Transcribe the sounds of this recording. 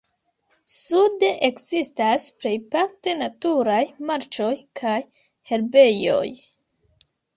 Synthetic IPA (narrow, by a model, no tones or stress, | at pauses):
sudeʔekzistasple̞jpaɾte̞natuɾajmaɾt͡ʃo̞jkʰaj | he̞ɾbe̞jo̞̰j